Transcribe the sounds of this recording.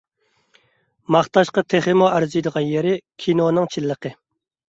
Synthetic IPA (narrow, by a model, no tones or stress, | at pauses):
mɑχt̪ɑʃqɑt̪ʰeχɪmuæɾzɨjd̪əʁɑnjeɾɪkʲʰinonɨŋt͡ʃʰilːəqə